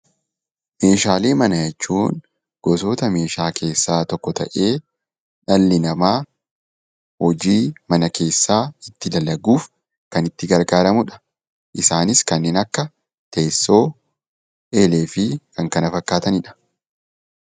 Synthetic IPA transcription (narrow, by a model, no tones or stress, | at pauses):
me̞ːʃaːleːmɐnɐjɛt͡ʃːuːn | ɡ̥ɔso̞ːt̪ɐme̞ːʃaːkʰe̞ːsːaːt̪ɔkːɔt̪ɐ̰ʔe̞ː | ᶑɐlːɪnɐmaː | hɔd͡ʒiːmɐnɐkʰe̞ːsːaːɪt̪ːɪlɐlːɐɡuːf | kɐnɪt̪ːɪɡɐɾɡaːɾɐmʊᶑɐ̥ | ʔɪsaːnɪskɐnːeːnɐkːɐ | t̪eːsːo̞ː | ʔe̞ːle̞ːfɪkɐŋkɐnɐfɐkːaːt̪ɐnɪᶑɐ̥